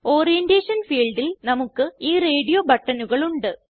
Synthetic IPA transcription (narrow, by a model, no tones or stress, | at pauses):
o̞ːrijendeːʂɐnfiːɭɖilnɐmukːɨiːre̞ːɽijobɐʈːɐnuɣɐɭuɳɖɨ